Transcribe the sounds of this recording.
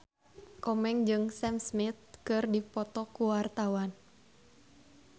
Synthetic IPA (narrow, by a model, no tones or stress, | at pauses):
kɔmɛŋd͡ʒɨŋsɛmsmit̪̚kɨrdipɔt̪ɔkuwart̪awan